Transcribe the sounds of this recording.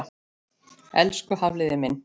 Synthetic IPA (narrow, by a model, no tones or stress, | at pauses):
ɛ̰lskʏhavlɪðɪmɪn